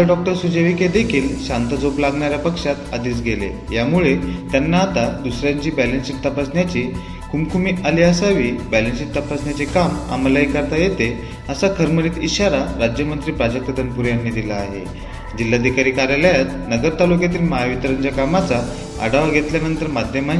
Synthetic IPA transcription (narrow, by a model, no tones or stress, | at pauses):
ɖɔk̚ʈəɾsud͡ʑeʋiked̪ekʰiːlɕant̪əd͡zoplaɡɳaɾjapəkʂat̪ad̪iːt͡sɡʱelḛ | jamuɭet̪janːaːt̪ad̪usɾjaɲt͡ɕiːbɛlənsikt̪əpasnjat͡ɕiː | kʰumkʰumiːʔaliasaʋiːbælənsit̪ːəpasnjat͡sekama̰məlaikəɾt̪ajet̪e | əsakʰəɾməɾiːt̪iɕaɾaɾad͡ʑjəmənt̪ɾiːpɾad͡ʑək̚t̪əd̪ənpuɾjanːiːd̪ilaːɦḛ | d͡ʑilːad̪ʱikaɾiːkaɾjaləjat̪nəɡəɾt̪alukjat̪̬iːlməɦaʋit̪əɾəɲd͡ʑakamat͡sa | ə̰ɽaʋaɡʱet̪ljanənt̪əɾmad̪ʱjəma